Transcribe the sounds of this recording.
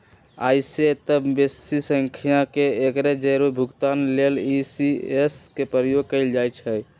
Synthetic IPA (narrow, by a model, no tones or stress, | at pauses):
a̰ɪset̪əbbesisəŋkʰijakeekɾed͡ʒəɾobʱuɡt̪anlelisieskepəɾəjoɡ̚kəɪld͡ʒajt͡ʃʰɛj